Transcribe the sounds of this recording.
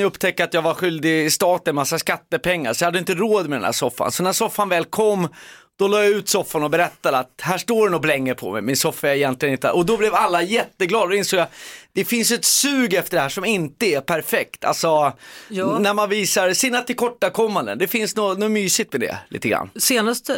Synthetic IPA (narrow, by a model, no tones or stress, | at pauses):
jɵpt̪ʰɛkːəat̪jɑɡvaɧʏld̪ɪɪst̪ɑːt̪ənɛmasːaskat̪ːəpʰɛŋːa̰ɾsɔ̥jhad̪ːjɪnt̪əɾoːd̪mɛd̪ɛnhæ̰ʂɔfːa̰nsɔnæʂɔfːanvɛːlkʰɔmːd̪̥ɔlɑːjaʉ̟ːt̪sɔfːanɔbɛɾɛt̪ːad̪ɛat̪hæːʂʈoːɾɛnɔblɛŋːəpʰɔ̰mɛ̰jmɪnsɔfːaɛɾɪjɛnt̪lɪənɪnt̪ə̰ʔɔd̪ɔblɛvalːajɛt̪ːəɡlɑːd̪d̪ɔɪnsoːɡjad̪̥ɛfɪnsjɛt̪sʉ̟ːɡɛft̪əɖɛhæːʂɔmɪnt̪əæpʰæɾfɛkt̪ʰa̰lsɔ | næɾmanviːsaɾsɪnːat̪ːɪlkʰɔʈːakʰɔmːand̪ə̰nd̪ɛfɪnsnonɔmyːsɪɡ̚t̪mɛd̪ɛ̰lḭːt̪əɡɾa̰nːseːnast̪